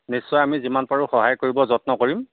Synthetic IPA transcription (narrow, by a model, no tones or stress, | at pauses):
nisːɔjamizimanpaɹuxɔɦajkoɹibɔzɔtnɔkoɹim